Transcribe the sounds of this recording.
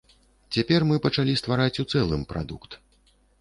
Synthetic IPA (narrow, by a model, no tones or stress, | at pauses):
t͡sʲapʲɛrmɨpɐt͡ʂalʲist̪vaɾat͡sʲut̪sɛlˠɨ̰mpɾa̰d̪ukt̪